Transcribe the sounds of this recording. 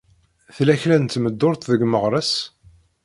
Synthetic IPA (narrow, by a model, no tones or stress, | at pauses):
θlæçlænt̪ːməd̪ːʊɾt̪ðəɡməʁɾˤəs